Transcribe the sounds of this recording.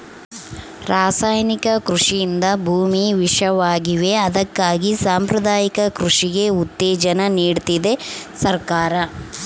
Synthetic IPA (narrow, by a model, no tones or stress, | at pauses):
ɾaːsaːjnikɐkɾuʂijind̪ɐbʱuːmiʋiʂɐʋaːɡiʋe̞ɐd̪ɐkːaːɡisaːmpɾɐd̪aːjikɐkɾuʂiɡe̞ut̪ːɛːd͡ʒɐnɐniːɖt̪id̪e̞sɐɾkaːɾɐ